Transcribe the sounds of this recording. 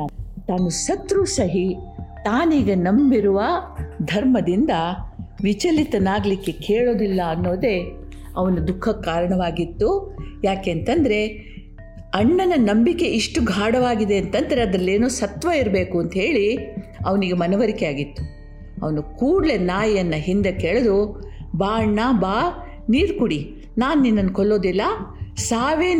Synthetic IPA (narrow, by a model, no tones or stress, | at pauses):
t̪aːnusɐt̪ɾusɐɦit̪aːniːɡɐnɐmbiɾuʋɐd̪ʱɐɾmɐd̪ind̪ɐʋit͡ʃɐlit̪ɐnaːɡlikːe̞keːɭoːd̪ilːɐɐnːo̞ːd̪e̞ | ɐʋɐnud̪ukʰːɐkaːɾɐɳɐʋaːɡit̪ːujaːkeːnt̪ɐnd̪ɐɾe̞ | ɐɳːɐnɐnɐmbike̞ʔiʂʈuɡʱaːɽɐʋaːɡid̪e̞ɐnt̪ɐnd̪ɐɾe̞ɐd̪ɾɐlːeːnuːsɐt̪ʋɐiɾɐbe̞ːkuɐnt̪ɐɦe̞ːɭiɐʋɐniɡemɐnɐʋɐɾikeaːɡit̪ːu̥ | ɐ̰ʋɐnukuːɽle̞naːjjɐnːɐɦind̪ekeɭed̪ubaːɐɳːaːbaː | niːɾkuɽi | naːnuːninːɐnːkɔlːo̞ːd̪ilːɐsaːʋeː